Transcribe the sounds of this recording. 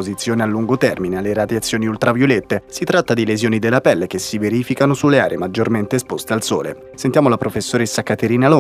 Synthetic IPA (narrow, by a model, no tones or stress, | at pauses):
ozit̪sːjoːnealːuŋɡot̪ɛrminealːeɾad̪jat̪sːjoːniult̪ɾavjolet̪ːesit̪ɾat̪ːad̪ilezjoːnid̪elːapɛlːekesːiveɾiːfikanosulːeaːɾʔemad͡ʒːorment̪espost̪ealso̰ːlḛ | sent̪jaːmolapɾofesːoɾesːakat̪eɾiːnalo